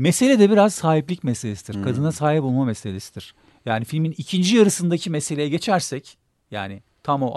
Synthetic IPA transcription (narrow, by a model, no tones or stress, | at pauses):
mese̞lʲɛd̪ɛbiɾaz̥saːɦiplʲicmɛselʲesid̪iɾkʰad̪ɯnasaːɦipolˠmamɛselʲesi̥d̪iɾ̥ | jaːnifilʲminicʰind͡ʒijaɾɯsɯnd̪acʰimese̞lʲejɛɟe̞t͡ʃʰæɾsɛc | jaːnɪ | t̪ʰamo